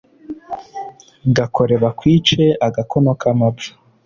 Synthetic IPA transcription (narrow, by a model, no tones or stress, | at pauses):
ŋɡako̞ɾe̞βakwiːt͡ʃeaɡakʰonokʰamabḁ